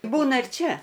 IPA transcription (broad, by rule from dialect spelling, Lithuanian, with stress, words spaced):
ˈbuːnɐ ɪr ˈt͡ʃʲɛ